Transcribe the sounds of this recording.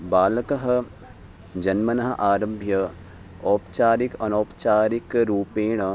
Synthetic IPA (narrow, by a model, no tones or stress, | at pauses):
baːlkɐɦɐ̆ | d͡ʒɐnmɐnɐɦɐʔaːɾɐmbʱjɐ | ɔːpt͡ʃaːɾikɐnoːpt͡ʃaːɾikɾuːpeːɳ̃